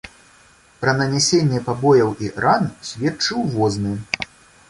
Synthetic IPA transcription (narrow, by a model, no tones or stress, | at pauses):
pɾɐnɐnʲɛsʲenʲːɛpabɔjɐwiransʲvʲɛt͡ʂɨwvɔznɨ